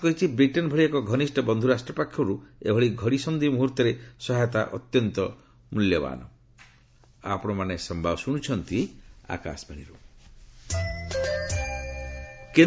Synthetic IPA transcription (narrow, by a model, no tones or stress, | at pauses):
kɔɾit͡ʃʰibɾiʈɔnbʱɔɭiekɔɡʱɔnisʈɔbɔnd̪ʱuɾasʈɾɔpakʰːjɔɾuḛbʱɔɭiɡʱɔɽisɔmd̪ʱimuɦuɾt̪ɔɾesɔɦajɔt̪aʔɔ̰t̪jɔnt̪ɔ | muljɔba̰ːnɔ | a̰pɔɽ̃ɔmanesɔmbʱabɔsuɽ̃ut͡ʃʰɔnt̪ia̰ka̰sbʱeɽ̃iɾu | ke